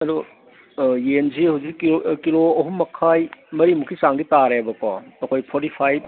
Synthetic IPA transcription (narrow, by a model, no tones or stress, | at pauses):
ɐɾɔ | jenzihɐwzikkiloɐɦumːɐkʰajmɐɾimukʰisaŋɡitaɾebɐka̰ɐkʰojpʰɔɾtipʰajb̚